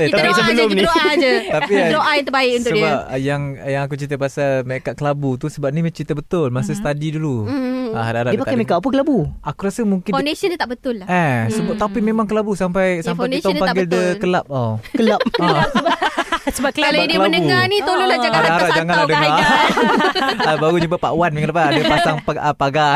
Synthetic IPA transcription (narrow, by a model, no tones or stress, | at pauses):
et̪aisəbəlʊmnoad͡ʒət̪apiloʔajant̪əbaɪkunʊsəibap̚jaŋjaŋak̬ut͡ʃit̪̬əpasalmaakaʔ̪̚kəlabut̪usəbap̚nimat͡ʃɾit̪əbət̪ʊlmasəsə̥t̪adiduluahadaaɾaʔəpak̪aamekap̬ukəlabuakuɾasəmuŋkɪnfandesənd͡ʒət̪aʔbət̪ʊlːaasəbʊt̪apimemaŋkəlabusampajsampajt̪ɔŋpaɡɪldəkəlap̚akəlap̚a | səbaklaladiəlaəndəbuŋanit̪ololaaadaaɾaʔd͡ʒaŋanladəbla | əbaɣud͡ʒubapa̰ʔwanmikəlapaadəpasaŋpaəpaɡa